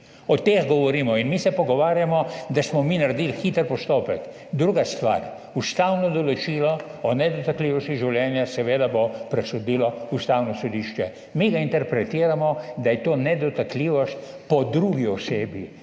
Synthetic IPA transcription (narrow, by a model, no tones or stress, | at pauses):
ɔt̪exɡɔʋɔɾiːmɔinmisɛpɔɡɔʋaːɾjamɔd̪asmɔminaɾd̪ilxiːt̪əɾpɔst̪oːpɛk | d̪ɾuɡast̪ʋa̰ɾ | ust̪awnɔd̪ɔlɔt͡ʃiːlɔɔnɛd̪ɔt̪akliːʋɔst̪iʒiwljɛːnjasɛʋeːd̪abopɾɛsɔd̪iːlɔust̪awnɔsɔd̪iːʃt͡ʃɛ | miɡaint̪ɛɾpɾɛt̪iːɾamɔd̪ajɛt̪oːnɛd̪ɔt̪akliːʋɔst̪pɔd̪ɾuɡiɔseːbji